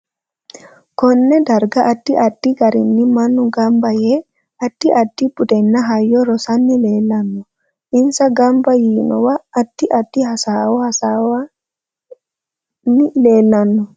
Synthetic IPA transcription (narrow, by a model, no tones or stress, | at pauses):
kɔnːɛdaɾɡaʔadːiʔadːiɡaɾḭnːimanːuɡambajɛ | adːiʔadːibudɛnːaɦajːɔɾɔsanːilɛlanːɔ | ʔinsaɡambajiːnɔ̰waʔːtːiʔadːihasawɔhasawa | nilɛlanːɔ